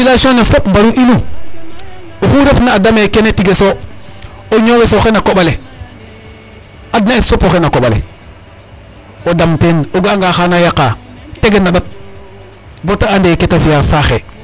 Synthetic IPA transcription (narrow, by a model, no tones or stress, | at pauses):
ilasonefopmbaɾuʔinu | oxuɾefnaːdamekenetiɡeso | oɲowesoxenakoɓale | adnaisopoxenakoɓalḛ | odamtenoɡaŋɡaːxanajakːa | teɡenːaɓat̚ | botaandeketafijafaxḛ